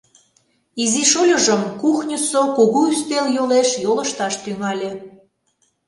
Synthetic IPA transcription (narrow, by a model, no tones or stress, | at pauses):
iziʃolʲəʒəmkuxnʲəsokoɣoyst̪eljoleʃjoləʃt̪ɑʃt̪yŋɑlʲe